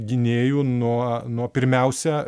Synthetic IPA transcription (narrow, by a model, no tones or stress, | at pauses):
ɡʲɪnʲeːjuːnuɔnuɔpʲɪɾʲmʲɛʊsʲɛ